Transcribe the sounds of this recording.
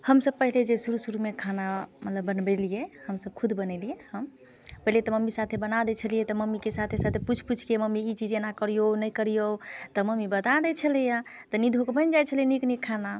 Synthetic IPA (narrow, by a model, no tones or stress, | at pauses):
həmsəb̚pəɦiled͡ʒesuɾusuɾumekʰanamət̪ləbːənbelijehəmsəb̚kʰud̪bənɛlijehəm | pəɦilet̪ɔməmːisat̪ʰebənad̪ɛt͡ʃʰəlijet̪ɔməmːikesat̪ʰesat̪ʰeput͡ʃʰput͡ʃʰkeməmiit͡ʃid͡ʒenakəɾijonəjkəɾijot̪ɔməmːibət̪ad̪ɛt͡ʃʰəlija | t̪ɔnid̪ʱokebənd͡ʒajt͡ʃʰəlieniknikkʰːana